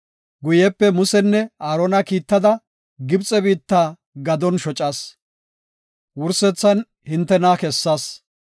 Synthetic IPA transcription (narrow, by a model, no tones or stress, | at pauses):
ɡʊjɛpːɛmʊsɛnːɛaːɾɔnɐkiːt̪ːɐd̪ɐ | ɡɪbt͡sʼɛbiːt̪ːaː | ɡɐd̪ɔnʃɔt͡ʃʼɐːs | wʊɾsɛt͡sːɐn | hɪnt̪ːɛnaːkɛsːaːs